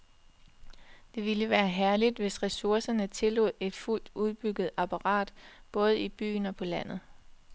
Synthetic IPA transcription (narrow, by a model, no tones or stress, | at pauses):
d̥e̝ʋiləʋæːɐɦæɐlid̥ʋe̝sʁɛsuɐsɐnət͡sʰe̝lo̝̰ðˠe̝d̥ful̰d̥uð̞ˠb̥yɡ̥ð̞̩ˠæpʰɑʁɑ̰̈ːd̥b̥ɔ̽ːð̞̩ˠib̥y̰ːnɒ̽pʰɒ̽læn̰ð̩ˠ